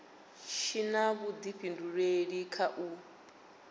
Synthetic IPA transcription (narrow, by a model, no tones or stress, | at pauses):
ʃinaβud̪iɸinduɺweɺikʰaʔu